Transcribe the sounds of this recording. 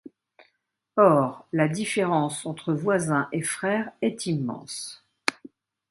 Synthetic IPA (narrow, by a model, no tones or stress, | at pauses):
ɔʁlad̪ifeʁɑ̃sɑ̃t̪χəvwazɛ̃ʔefχɛːʁɛt̪imːɑ̰̃s